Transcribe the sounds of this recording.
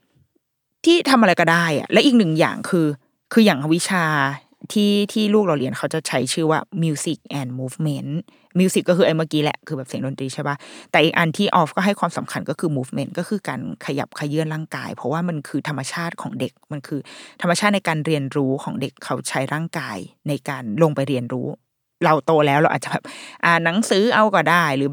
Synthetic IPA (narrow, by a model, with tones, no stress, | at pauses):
t̪ʰiː˥˩t̪ʰa˧mʔa˧ɾa˧jkɔː˥˩daː˥˩jʔa̰˨˩ʔlɛː˦˥wʔiː˨˩k̚nɯ˨˩ŋja̰ː˨˩ŋkʰɯː˧ | kʰɯː˧jaː˨˩ŋʔa˨˧˩wi˦˥t͡ɕʰaː˧ | t̪ʰiː˥˩t̪ʰiː˥˩luː˥˩k̚laː˨˩li˧ənkʰa˦˥wt͡ɕa˨˩t͡ɕʰa˦˥jt͡ɕʰɯː˥˩waː˥˩mi˧si˨˩k̚ʔɛː˨˩nmuː˦˥fme˦˥n | mi˧si˨˩kːɔ˥kʰɯː˧ʔa˧jmaː˥˩kiː˦˥lɛ̰˨˩kʰɯː˧bɛ˨˩p̚si˩ə˦ŋdo˧nt̪ɾiː˧t͡ɕʰa˥˩jba˦˥˩t̪ɛː˨˩ʔiː˨˩k̚ʔa˧nt̪ʰiː˥˩ʔɔː˦˥f̚kɔː˥˩ɦa˥˩jkʰwaː˧msa˩˦mkʰa˧nkɔ˥˩kʰɯː˧muː˦˥fme˦˥nkɔː˥˩kʰɯː˧kaː˧nkʰa˧ja̰˨˩p̚kʰa˧jɯ˥˩ənɾaː˥˩ŋka̰ː˧jpʰɔ˦˥waː˥˩ma˧nkʰɯː˧t̪ʰa˧mːa˧t͡ɕʰaː˥˩t̪̚kʰɔː˩˦ŋde˨˩k̚ma˧nkʰɯː˧t̪ʰa˧mːa˧t͡ɕʰaː˥˩na˧jkaː˧nɾi˧ənɾuː˦˥kʰɔː˩˦ŋde˨˩kʰːa˦˥wt͡ɕʰa˦˥jɾaː˥˩ŋkaː˧jna˧jkaː˧nlo˧ŋpa˧jɾi˧ənɾuː˦˥ | ɾa˧wt̪oː˧lɛː˦˥wɾa˧wʔ̪̚ːt͡ɕa˨˩bɛː˨˩p̚ʔaː˨˩na˨˩˦ŋsɯː˨˦˥ʔa˧wkɔː˨˩daː˥˩jɾɯː˨˩˦